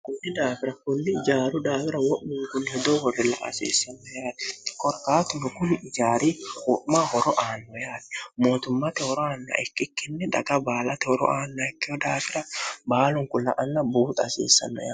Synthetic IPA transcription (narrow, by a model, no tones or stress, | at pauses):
kʊnːɪd̪aːfɪɾɐkʊnːɪɪd͡ʒaːɾʊd̪aːfɪɾɐwɔʔːɪŋkʊnhɛd̪owɔrːɛlɐ̰ʔa̰sḛːsːɐnːɔjaːᶑ̪ɛ̥kɔɾkaːt̪ʊnʊkʊnɪd͡ʒaːɾikʊʔmaːhɔɾɔʔaːnːɔjaːᶑ̪ɛ̥mo̞ːt̪ʊmːat̪ɛhɔɾɔaːnːa̰ʔɛkːɪkːɪnːɛᶑ̪ɐ̰ɡɐbaːlɐt̪ɛhɔɾɔ̰ʔaːnːaɛkːɪɔd̪aːfɪɾɐbaːlʊŋkʊlːɐ̰ʔɐnːɐbuːt̪ʼɐsḛːsːɐ̰nːɔ̰jaː